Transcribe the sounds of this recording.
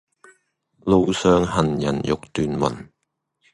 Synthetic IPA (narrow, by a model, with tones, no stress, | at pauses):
lo˨˧wsœː˨˧ŋhɐ˨˩njɐ̰˨˩njʊ˨k̚t̪yː˧nwɐ̰˨˩n